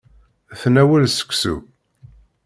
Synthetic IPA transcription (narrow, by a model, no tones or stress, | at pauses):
θnæwəlsə̥kʷːsṵ